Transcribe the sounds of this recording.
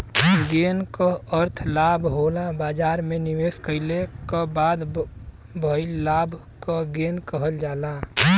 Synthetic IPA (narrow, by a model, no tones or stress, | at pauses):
ɡenkəəɾt̪ʰlaːbʱɦolabaːd͡ʒaːɾmẽniʋeːskəɪlekabaːd̪ | bʱəɪlaːbʱ | kaɡeːnkəɦəld͡ʒaːla